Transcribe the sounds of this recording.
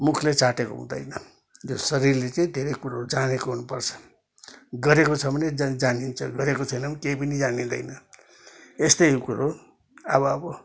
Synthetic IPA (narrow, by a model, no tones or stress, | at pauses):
mukʰlet͡saʈeko̰ɦṵ̃d̪ʌ̰jnʌ | josʌɾirlet͡sʌĩd̪ʱeɾʌjkuɾaod͡zanekoɦunupʌrt͡sʰʌ̥ | ɡʌɾekot͡sʰʌbʌned͡zd͡zanint͡sʰʌɡʌɾekot͡sʰʌjnʌbʌkeipʌnid͡zanid̪ʌ̰jnʌ | est̪ʌjkuɾo | ʌbʌːbʌ